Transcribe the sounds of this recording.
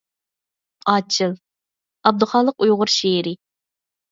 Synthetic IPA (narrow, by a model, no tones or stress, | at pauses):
ɑːt͡ʃʰɨlˠ | ɑb̚d̪ɨχɑːlˠəqujʁʊɾʃeɾɪ